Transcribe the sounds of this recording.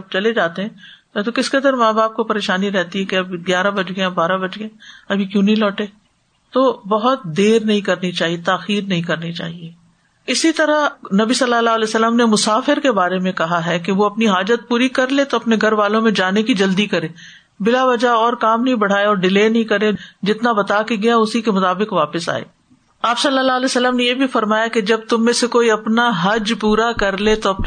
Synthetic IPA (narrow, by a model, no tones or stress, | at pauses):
ɐb̚t͡ʃɐled͡ʒaːt̪eɦɛ̃ | t̪okɪskɐd̪əɾmãːbaːp̚kopɐɾeːʃaːniɾɛɦt̪iɦɛkeɐbɡjaːɾabɐd͡ʒɡẽabaːɾabɐd͡ʒɡẽɐbʱikjũːnɐĩlɔːʈeː | t̪obɐɦʊt̪̚d̪eːɾnɐɦĩkɐɾnit͡ʃaːɦiet̪aːxiːɾnɐɦĩkɐɾnit͡ʃa̰ːɦie | ɪsit̪ɐɾanɐbisɐlːalaːlɛːsəlːəmnemʊsaːfɪɾkebaːɾemẽkɐɦaɦɛkeʋoɐpniɦaːd͡ʒət̪̚puːɾikɐɾlet̪oɐpneɡʱɐɾʋaːlõmẽd͡ʒaːnekid͡ʒɐld̪ikɐɾeː | bɪlaʋɐd͡ʒaɔːɾkaːmnɐɦĩbɐɽ̤aːeɔːɾɖɪleːnɐɦĩkɐɾed͡ʒɪt̪nabɐt̪akeɡɐjaʊsikemʊt̪aːbɪkʋaːpɪsa̰ːḛː | aːpsɐlːalaːlɛːsəlːəmnejeːbʱifɐɾmaːjaked͡ʒɐb̚t̪ʊmːẽsekoːiɐpnaɦɐd͡ʒpuːɾakɐɾlet̪oɐp